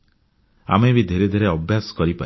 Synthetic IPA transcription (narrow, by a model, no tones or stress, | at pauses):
a̰mebid̪ʱeɾed̪ʱeɾeɔbʱjasɔ̥kɔɾipa̰